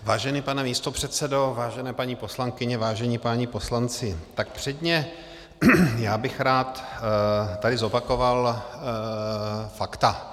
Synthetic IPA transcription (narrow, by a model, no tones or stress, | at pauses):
vaːʒɛnipanɛmiːst̪o̞pr̝̥ɛt̪sɛdo̞vaːʒɛnɛːpaɲiːpo̞slaŋkɪɲɛvaːʒɛɲipaɲipo̞slant͡sɪt̪ak̚pr̥ɛdɲɛ | jaːbɪxɾaːt̪ | t̪ːadɪzopako̞val | fakt̪a